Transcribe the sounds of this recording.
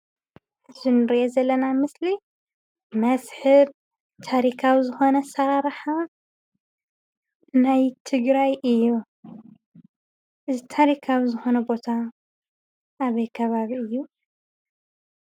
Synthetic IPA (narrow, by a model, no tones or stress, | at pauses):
ɨzinɨɾiʔezɐlːɐnamɨsli | mɐsħɨβ | t̪ʰaɾikʰawizɨxo̞nɐsɐɾaɾħa | najt̪ʰɨɡɾajʔɨjːu | ʔɨzit̪ʰaɾikʰawizɨxo̞nɐbo̞t̪ʰa | ʔːβɐjkʰɐβaβiɨjːu